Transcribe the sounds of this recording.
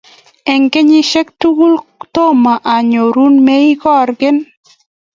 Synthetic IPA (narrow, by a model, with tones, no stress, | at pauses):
ɛ˨ŋke˦ɲɪ˦ʃɛ˦k̚tu˦ɡu˦lt̪o˦ma˨ʔa˨ɲo˨ɾu˦nme˦i˦kɔ˦ɾɡɪ˦n